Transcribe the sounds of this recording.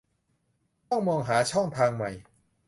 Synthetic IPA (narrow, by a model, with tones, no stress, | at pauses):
t̪ɔ˥˩ŋmɔː˧ŋɦaː˩˦t͡ɕʰɔ˥˩ŋt̪ʰaː˧ŋma˨˩j